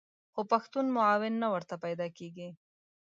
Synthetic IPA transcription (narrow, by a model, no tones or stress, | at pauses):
xopɐxt̪unmʊaːwɪnːawəɾt̪apajd̪ɑkeɡi